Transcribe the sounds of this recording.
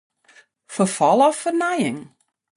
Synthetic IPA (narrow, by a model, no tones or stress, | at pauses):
fərfɔlˠɔfərnajɪŋ